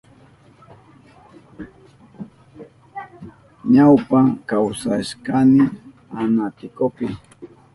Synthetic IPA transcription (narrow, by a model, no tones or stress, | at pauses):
ɲawpaŋkawsaʃkanɪ | anat̪ɪkopɪ